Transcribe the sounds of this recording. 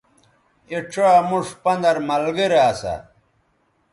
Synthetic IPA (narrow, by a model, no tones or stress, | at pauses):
eʈ͡ʂʰamuʂpɐnd̪ɐɾmɐlɡiɾaːsa̰